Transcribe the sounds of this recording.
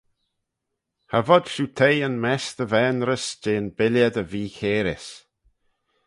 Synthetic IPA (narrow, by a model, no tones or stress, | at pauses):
havɔd̪̥ʃuːt̪ʰejənmɛst̪əvɛːnɾəsd͡ʒeːnbɪljəd̪əviːçeːɾɪs